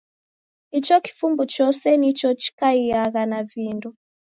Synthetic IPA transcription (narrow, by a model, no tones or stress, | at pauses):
it͡ʃɔki̥fumbut͡ʃɔsɛnit͡ʃɔt͡ʃi̥kaiaɣanavindɔ